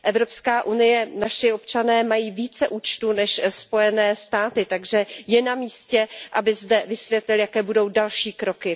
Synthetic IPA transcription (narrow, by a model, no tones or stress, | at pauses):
ʔɛvɾo̞pskaːʔunɪjɛnaʃɪo̞pt͡ʃanɛːmajiːviːt͡sɛʔuːt͡ʃt̪unɛʃspo̞jɛnɛːst̪aːt̪ɪt̪aɡʒɛjɛnamiːscɛʔabɪzdɛvɪsvjɛt̪lɪljakɛːbudo̞wdalʃiːkɾo̞kɪ